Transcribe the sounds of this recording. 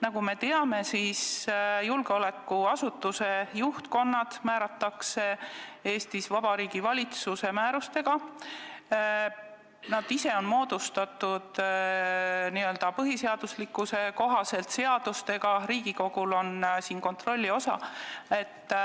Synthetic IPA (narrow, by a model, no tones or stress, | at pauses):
nɑɡ̥ume̞t̪e̞ɑme̞siːsjulɡ̥eo̞le̞kːuɑsut̪ːˑuse̞juht̪ko̞nːɑd̪̥mæːɾɑt̪ːˑɑkse̞e̞ːst̪isvɑb̥ɑɾiːɡ̥ivɑlʲit̪suse̞mæːɾust̪e̞ɡ̥ɑ | nɑd̪̥ise̞o̞nmo̞ːd̪̥ust̪ɑt̪ud̪̥ | niø̞ld̪̥ɑpɤɦise̞ɑd̪̥uslikːˑuse̞ko̞ɦɑse̞lt̪se̞ɑd̪̥ust̪e̞ɡ̥ɑɾiːɡ̥iko̞ɡ̥ulo̞nsiːnko̞nt̪ro̞lʲːio̞sɑ̰e̞t̪ː